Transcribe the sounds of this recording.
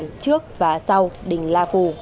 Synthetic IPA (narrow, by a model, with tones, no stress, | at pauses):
nt͡ɕɨ˦˥ək̚vaː˨˩sa˧wɗï˨˩ŋ̟laː˧fu˧˩